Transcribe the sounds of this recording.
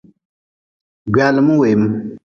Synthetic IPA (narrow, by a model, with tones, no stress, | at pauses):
ɡaː˨lmu˦we˨jm